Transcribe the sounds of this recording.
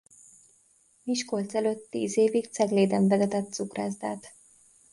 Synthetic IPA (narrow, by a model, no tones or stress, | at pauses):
miʃkolt̪sɛløːt̪ːḭːzeːvikt̪sɛɡleːd̪ɛɱvɛzɛt̪ɛt̪ːsukra̰ːzd̪aːt̪